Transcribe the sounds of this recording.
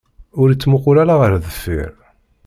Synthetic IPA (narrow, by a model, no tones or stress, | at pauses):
ʊɾit͡sːmʊqʊɾæɾaʁəɾðəfːḭɾ